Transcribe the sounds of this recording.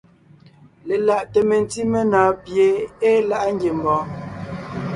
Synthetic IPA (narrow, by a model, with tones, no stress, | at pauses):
le˨la˨ʔtə˨me˨n˨ti˦me˦nɔː˨pje˨˦e˦la˦ʔŋ̩˦ɡje˨m˨bɔ˨˦